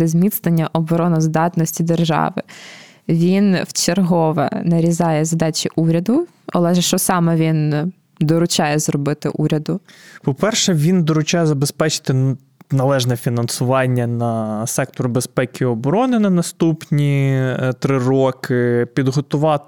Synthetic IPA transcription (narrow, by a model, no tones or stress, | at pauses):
d̪ɛzʲmʲit̪snenʲːɐʔɔbɔɾɔnɔzd̪ɑt̪nɔsʲtʲid̪erʒɑ̰ʋɪ̰ | ʋʲinwt͡ʃerɦɔʋɛ̰nɐɾʲizɑjɛzɐd̪ɑt͡ʃʲiʔuɾʲɐd̪ʊ | ɐlˠɛʒɛʃt͡ʃɔsɑmɛʋʲin | d̪ɔɾʊt͡ʃɑjɛzrɔbɪt̪ɪ̰ʔuɾʲɐd̪ʊpɔpɛrʃɛʋʲind̪ɔɾʊt͡ʃɑjɛzɐbespɛt͡ʃɪ̥t̪ɪ | nɐlˠɛʒnɛfʲinɐnsʊʋɑnʲːɐnɐsɛkt̪ɔɾʊbespɛkʲiɔbɔɾɔnɪnɐnɐst̪upnʲit̪ɾɪrɔkɪpʲid̪ɦɔt̪ʊʋɑt̪